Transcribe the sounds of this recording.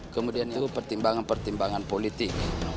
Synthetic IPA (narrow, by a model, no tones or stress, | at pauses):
kəmudianit̪upərt̪imbaŋanpərt̪imbaŋanpolit̪ɪk̚